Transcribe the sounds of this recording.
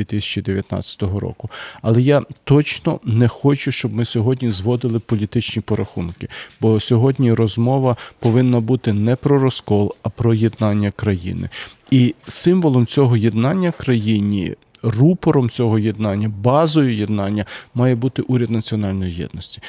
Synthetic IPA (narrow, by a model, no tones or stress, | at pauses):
d̪ʋʲit̪ɪsʲɐ̥t͡ʃid̪eʋʲjɐt̪nɑ̰t͡sʲɐ̥t̪ɔɦɔɾɔ̰kʊɐlˠɛjat̪ɔt͡ʃnɔ̰nɛxɔt͡ʃʊʃt͡ʃɔbmɪsʲɔɦɔdʲnʲizʋɔd̪ɪlˠɪpɔlʲit̪ɪt͡ʃnʲipɔɾɐxunkɪb̥ɔsʲɔɦɔdʲnʲiɾɔzmɔʋɐpɔʋɪnːɐbut̪ɪnɛpɾɔɾɔskɔlˠɐpɾɔjed̪nɑnʲːɐkɾɐjḭnɪ̰ | isɪmʋɔlˠɔmt͡sʲɔɦɔjed̪nɑnʲːɐkɾɐjinʲḭ | rupɔɾɔmt͡sʲɔɦɔjed̪nɑnʲːɐbɑzɔjʊjed̪nɑnʲːɐmɑjɛbut̪ɪʔuɾʲɐd̪nɐt͡sʲiɔnɑlʲnɔjijɛ̰d̪nɔsʲtʲi̥